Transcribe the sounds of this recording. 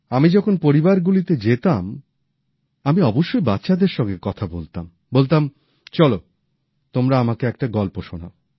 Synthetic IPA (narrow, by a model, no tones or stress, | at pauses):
amid͡ʑɔkʰonpoɾibaɾɡulit̪ed͡ʑet̪am | amiɔboʃːojbat̪ːɕad̪eɾʃɔŋɡekɔt̪ʰabolt̪am | bolt̪am | t͡ɕɔlo | t̪omɾaamakeɛk̚ʈaɡɔlpoʃona̰